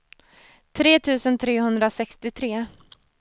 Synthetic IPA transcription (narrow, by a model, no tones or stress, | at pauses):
t̪ʰɾeːt̪ʰʉ̟ːsənt̪ʰɾeːhɵnd̪ɾasɛkst̪ɪt̪ʰɾeː